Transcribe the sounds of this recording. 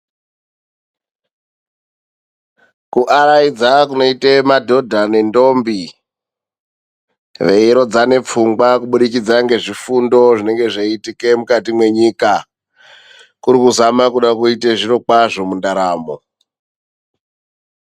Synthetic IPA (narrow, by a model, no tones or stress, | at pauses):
kuʔaɾaid͡zakuno̞itemadʱo̞dʱane̞ndo̞mbi | ʋe̞iɾo̞d͡zane̞p͡fuŋɡwakuɓuɗikid͡zaŋɡe̞ʐifundo̞ʐine̞ŋɡe̞ʐeitike̞mukatimwe̞ɲika | kuɾikuzamakuɗakuiteʐiɾo̞kwaʐo̞mundaɾaːmo̞̰